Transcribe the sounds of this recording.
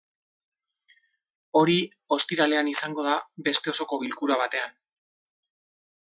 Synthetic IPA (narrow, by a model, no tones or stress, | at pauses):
o̞ɾi | o̞st̪iɾale̞anisaŋɡo̞ð̞abe̞st̪e̞o̞so̞ko̞βilkuɾaβ̞at̪e̞an